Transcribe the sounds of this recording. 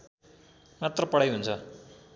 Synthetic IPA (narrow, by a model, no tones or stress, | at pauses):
mat̪rʌpʌɽajɦunt͡sʰʌ